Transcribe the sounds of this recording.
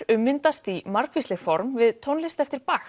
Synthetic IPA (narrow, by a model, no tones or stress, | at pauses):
ʏmːɪnt̪ast̪imaɾ̥kvislɪɣfɔɾmvɪðt̪ʰownlɪst̪ɛft̪ɪɾ̥pax